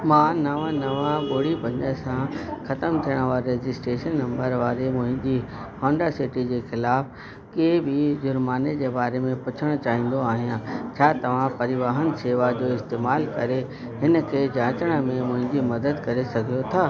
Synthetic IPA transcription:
mãːnɐʋãnɐʋãɓoːɽibɐ̃ɲəsãxɐt̪əmt̪ʰijəɽ̃əʋaːɾɾeːd͡ʑɪsʈɾeːʃənːɐ̃mbəɾʋaːɾemʊ̃ɦɪ̃ɲd͡ʑihɔ̃ːɳɖəɾsɪʈid͡ʑeːxɪlaːf | keːbɪd͡ʑʊɾmaːned͡ʑeːbaːɾemẽpʊt͡ɕʰəɽ̃t͡ɕaːɦĩːn̆d̪oaːɦijãt͡ɕʰaːt̪ɐʋ̤ãpɐɾɪʋaːɦənɪ̆seːʋad͡ʑoːɪst̪eːmaːlkɐɾe | ɦɪnə̆kʰeːd͡ʑãːt͡ɕəɽ̃ə̆mẽmʊ̃ɦɪ̃ɲd͡ʑimɐd̪əd̪kɐɾesɐɡʱijot̪ʰaː

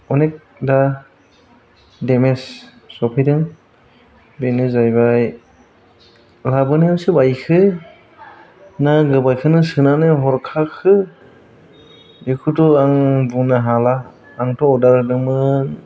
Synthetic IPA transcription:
ɔnek̚ | da | demesː | ɔpʰijdɯŋ | benɯzajbaj | labɯniɯsɯbajkʰɯ | naɡɯbajkʰɯnɯsɯnanɯɦɔɾkʰakʰɯ | dekʰutɔaŋbunaɦalaː | ŋtʰɔɔdaɾɯdɯmɯn

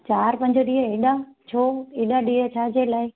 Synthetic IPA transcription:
t͡ɕaːɾpɐ̃ɲd͡ʑəɗiːɦəeɗat͡ɕʰoːeːɗaɗiːɦət͡ɕʰaːd͡ʑeːlaːɪ

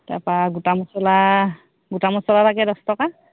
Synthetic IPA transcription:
ta̰paɡutamɔsɔla | ɡutamɔsɔlalaɡɛdɔstɔka

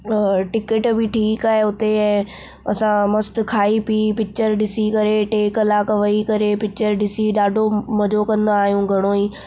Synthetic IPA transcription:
ʈɪkəʈbʱɪʈʰiːkaːɦeʊt̪eɛ̃ː | ɐsãmɐst̪̆kʰaːipipɪk̚t͡ɕəɾɗɪsikɐɾeʈeːkəlaːkʋɐikɐɾepɪk̚t͡ɕəɾɗɪsiɗaːɖʱomɐd͡ʑokɐ̃nd̪aːɦijũɡʱɐɽ̃oːiː

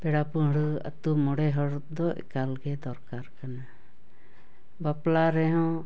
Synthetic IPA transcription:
pɛɽapuɦɽua̰t̪umɔɽɛɦɔɽd̪ɔɛ̰kalɡɛd̪ɔɾkaɾkana | baplaɾɛɦɔ̃

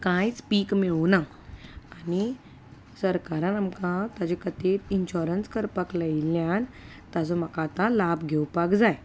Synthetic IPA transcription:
kãjspiːkmiɭunaː | ni | səɾkaɾãnamkãt̪ad͡ʑekət̪et̪inɕɔɾənskəɾpəkləiljãn | t̪ad͡zɔməkat̪ãlabɡʱewpakd͡zaj

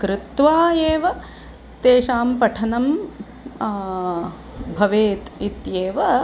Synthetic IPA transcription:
kɾɪt̪ʋaːeːʋɐ | t̪eːʃaːmpɐʈʰɐnɐm | bʱɐʋeːt̪it̪jeːʋɐ

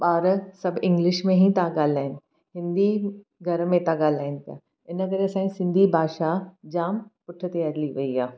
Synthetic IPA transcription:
ɓaːɾsɐbʱɪ̃ŋɡlɪʃmẽɦĩt̪aɡaːl̤aːɦɪnɪ̆ | ɦɪ̃nd̪i | ɡʱɐɾmẽt̪ãɡaːlaːɪnɪ̆pija̰ | ɪnəkɐɾeɐsãːĩsɪ̃nd̪ʱibʱaːʃad͡ʑaːmpʊʈʰə̆t̪eɐɾliʋɐiaː

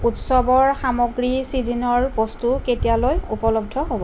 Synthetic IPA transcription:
utsɔbɔɹxamɔɡɹisizinɔɹbɔstuketijalojupɔlɔb̚dʱɔɦobɔ

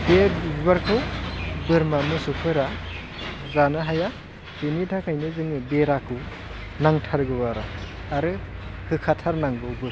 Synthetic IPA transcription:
bebibibaɾkʰɯwbɯɾmamɯsupʰɯɾa | zanɯɦaja | binitʰakʰajnɯzɯŋɯbeɾakʰɯw | naŋtʰaɾɡɯbaɾa̰ːɾɯhɯkʰatʰaɾnaŋbɯwbɯɾ

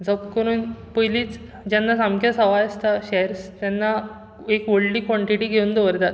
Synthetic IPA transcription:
d͡zəpkəɾuːnpəjliːt͡s | d͡ʑanːasamkjasəʋajəst̪aɕɛɾst̪janːa | ekʋəɭɖiːkʋɔɳʈiʈiːɡʱeund̪əʋəɾt̪at̪

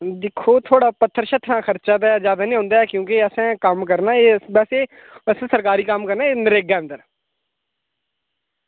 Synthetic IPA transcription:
d̪ɪkʰːoːt̪ʰoːɽaːpət̪ʰːəɾʃət̪ʰnãːkʰəɾt͡ʃaːd̪azjaːd̪aːnĩːɦõːnd̪aːɛkjõːkɪəsãːkəmkəɾnaːeːbɛːseː | ɛːsãːsəɾkaːɾiːkəmkəɾnaːeːnəɾeːɡaːənd̪əɾ

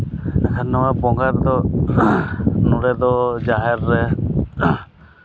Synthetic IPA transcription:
ɛkʰannɔwabɔŋɡaɾd̪ɔ | nuɽɛd̪ɔd͡ʒaɦɛɾːɛ

